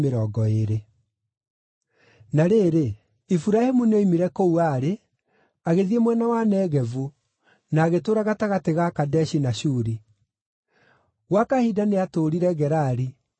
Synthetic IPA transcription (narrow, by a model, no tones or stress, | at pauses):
meɾɔːɡɔeɾe | naɾeːɾe | ifuɾahemuneimiɾɛkouaɾe | aɣeðiemwɛnawanɛːɣɛvu | naːɣetoːɾaɣataɣateɣakadɛɕinaɕuːɾi | ɣwakahidaneatoːɾiɾɛɣɛɾaɾi